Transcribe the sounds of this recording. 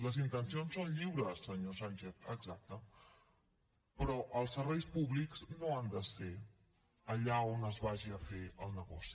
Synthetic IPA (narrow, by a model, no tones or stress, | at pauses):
ləzint̪ənsionsːonʎiwɾəsːəɲosanʲt͡ʃeθə̰ɡzak̚t̪ə | pɾɔʔəlˠsəɾβɛjspuβlikz̥noand̪əse | əʎaonəzβaʒiəfeəlˠnəɣɔ̰si̥